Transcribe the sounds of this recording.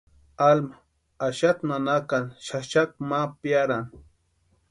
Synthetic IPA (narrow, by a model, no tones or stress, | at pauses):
alma | aʃat̪manakanʃaʃak̚mapjaɾaŋ